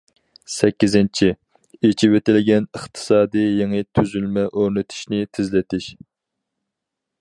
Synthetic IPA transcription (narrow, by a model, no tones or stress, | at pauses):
sɛkʲːizɪnt͡ʃʰi | et͡ʃʰiwet̪ɪlɪɡʲɛnəχt̪ʰɨ̥sɑːd̪ijjeŋɨt̪ʰyzylmɛʔøɾnɪt̪ʰɪ̥ʃnɪt̪ʰɪzlɪt̪ʰɪʃ